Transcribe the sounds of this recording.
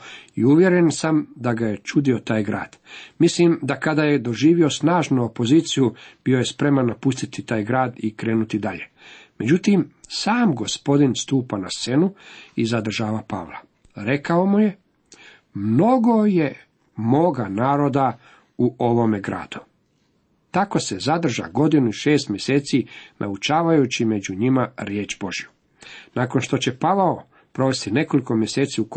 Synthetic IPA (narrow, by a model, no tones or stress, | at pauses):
iuʋje̞ɾensamd̪aɡajet͡ʃud̪io̞t̪aːjɡɾa̰ːd̪̥mislimd̪akad̪aːjed̪o̞ʒiːʋio̞snaːʒnuopo̞ziːt̪sijub̥io̞je̞spɾe̞manːapust̪it̪it̪aːjɡɾaːd̪ikɾeːnut̪id̪aʎe̞̰ | me̞d͡ʑut̪imsaːmɡo̞spo̞d̪inst̪uːpana̰st̪se̞nuizad̪r̩ʒaːʋapa̰ːʋlˠa̰ | ɾe̞kao̞muje̞ | mno̞ɡo̞je̞ | moːɡanaːɾo̞d̪a | uʔo̞ʋo̞meɡɾa̰ːd̪̥u | t̪ako̞se̞zad̪r̩ʒa̰ɡo̞d̪inuiʃe̞ːst̪mʲje̞se̞ːt̪sinʔa̰ut͡ʃaːʋajut͡ɕime̞d͡ʑuɲimaɾje̞ːt͡ʃbo̞ʒju | naːko̞nʃt̪o̞t͡ɕe̞paʋao | pɾo̞ʋe̞st̪ine̞ko̞liko̞mje̞seːt̪siuk